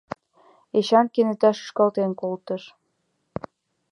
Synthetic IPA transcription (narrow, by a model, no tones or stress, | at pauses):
eɕɑnkenet̪ɑʃə̥ʃkɑlt̪enkolt̪əʃ